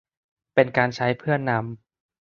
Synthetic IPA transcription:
pe˧nkaː˧nt͡ɕʰa˦˥jpʰɯ˥˩ənːa˦˧˥m

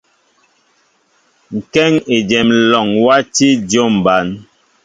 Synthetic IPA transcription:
ŋ̩˨kɛ˦ŋe˨d͡ʒɛ˨mlɔ˨ŋwa˦ti˦d͡ʒo˦˨mba˨˦n

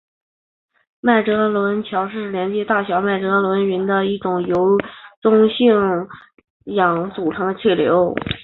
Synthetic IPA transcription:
ma˥˩ɪʈ͡ʂɤ˧˥lwə˧˥nt͡ɕʰjɑ˧˥ʊʂɻ̩˥˩ljɛ˧˥nt͡ɕjɛ˧˥t̪a˥˩ɕjɑ˧˥ʊma˥˩ɪʈ͡ʂɤ˧˥lwə˧˥ny˧˥nd̪ə˧i˥˩ʈ͡ʂʊ˨˩ŋjo˧˥ʊʈ͡ʂʊ˥ŋɕi˥˩ŋ | jɑ˨˧˩ŋt͡su˨˩ʈ͡ʂʰɤ˧˥ŋd̪ə˧t͡ɕʰi˥˩ljo̰˧˥ʊ

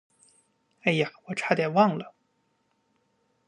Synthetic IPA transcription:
e˥˩ɪja˨˩wɔ˨˩ʈ͡ʂʰa˥d̪jɛ˨˩wɑ˥˩ŋlə˩

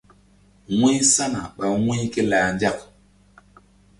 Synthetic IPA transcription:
ŋi˦sa˦na˨ɓa˨ŋwĩ˦ki˦laː˨nda˦˨k̚

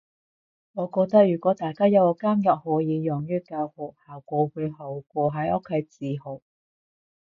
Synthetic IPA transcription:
ŋɔː˨˧kɔː˧k̚t̪ɐ˥k̚jyː˨˩kʷɔː˨˥t̪aː˨jkaː˥jɐ˨˧wɔ˨˧˥kaː˥mjɐ˨p̚hɔː˨˥jiː˨˧jɔ˨˩ŋjyː˥kaː˧whʊ˨˩haː˨wkʷɔː˨˧wuː˨˧jɦɐ˨˥wkʷɔː˧ɦɐ˨˥jʔɔ˥kʰːe˨˧jt͡siː˨˧ɦo˨˩w

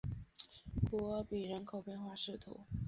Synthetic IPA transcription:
pɔ˧˥pi˨˩ɻə˧˥nkʰo˨˩ʊpjɛ˥˧nxwa˥˧ʂɻ̩˥˩t̪ʰṵ˨˧˥

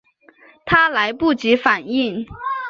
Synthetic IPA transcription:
t̪ʰa˥la˧˥ɪpu˥˩t͡ɕi˧˥fa˨˩ni˥˩ŋ

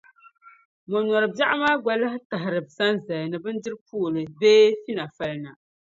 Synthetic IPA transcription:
mɔ˨nɔ˨ɾɨ˨bja˦ʔa˦maː˦ɡa˦la˦hɪ˦ta˨ɦɪ˨ɾɨ˨bsa˦nza˨jnɨ˨bɨ˦n˦dɨ˦ɾpʰuː˦˨lɨ˨beː˦fi˦na˨fa˦lɨ˦na˨

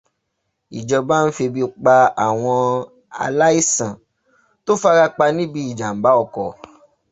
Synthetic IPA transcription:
i˨d͡ʒɔ˧ba˦n̩˦fi˧bi˧˦˧k͡pa˧a˨w̃ɔ̃˧ | a̰˧la˦i˦sã˨ | to˦fa˦ɾa˦˧k͡pa˧nĩ˦bi˧i˨d͡ʒa˨m̩˨ba˨˦ɔ˦˧˨kɔ˨

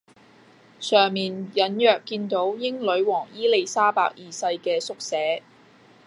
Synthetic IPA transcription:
sœː˨˩ŋmiː˨˩njɐ˨˥njœː˨kːiː˧nt̪o˨˥wjɪ˥ŋlɵ˨˧˥ɥwɔː˨˩ŋjiː˥le˧jsaː˥pa̰ː˧˥k̚jiː˨sɐ˧jkɛː˧sʊ˥k̚sɛː˨˥

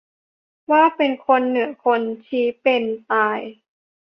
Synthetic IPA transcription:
waː˥˩pe˧nkʰo˧nːɯ˩˦ɐkʰo˧nt͡ɕʰiː˨˦pe˧nt̪aː˧j

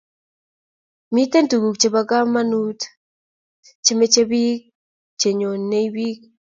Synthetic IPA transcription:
mi˦te˦ntu˨ɡu˨k̚t͡ʃe˨βa˨ka˦ma˦nu˦t | t͡ʃe˦me˦t͡ʃe˦βi˦k̚ | t͡ʃe˨ɲo˨nnːe˦jβi˦k̚

